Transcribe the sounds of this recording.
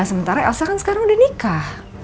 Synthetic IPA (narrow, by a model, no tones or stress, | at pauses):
səmənt̪aɾaɛ̰lsakaŋsə̥kaɾaŋudahnikah